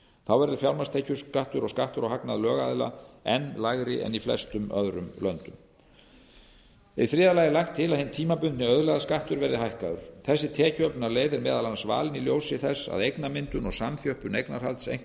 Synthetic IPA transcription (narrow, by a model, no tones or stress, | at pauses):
θawvɛɾðʏɾfjawlmast̪ʰejcʏɾ̥skaht̪ʏɾɔskaht̪ʏɾɔɣɦaknaðlœːɣa̰ðla̰ɛnːlaɣɾɪʔɛ̰niflɛ̰st̪ʏmœðɾʏmlœnt̪ʏm | iθɾɪːðalajɪlajxt̪ʰːɪlaðhɪnt̪ʰiːmapʏnt̪nɪœðlɛɣðaskaht̪ʏɾvɛɾðɪhajhkaðʏ̰ɾ̥θɛsːɪt̪ʰɛːcœplnaleːjðɪɾmɛːðalansva̰ːlɪniljowsɪθɛsːa̰ðejknamɪnt̪ʏnɔɣsamθjœhpʏnejknaɾ̥halt̪sḛjŋ̥